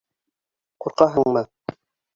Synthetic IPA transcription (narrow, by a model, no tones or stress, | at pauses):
quɾqɑɦɤ̆ŋɴmɤ